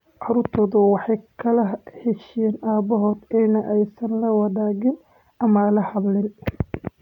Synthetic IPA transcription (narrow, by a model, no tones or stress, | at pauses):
ʕɑɾʊrt̪ʰɔːðʊwɑħɑjkʰɐlɐhɛʃɛnaːbɔɦɔːd̪ɛjnɐʔɛjsɐnlɐwɑðaːɣɪn | ɐmɐlɐhɑblɪn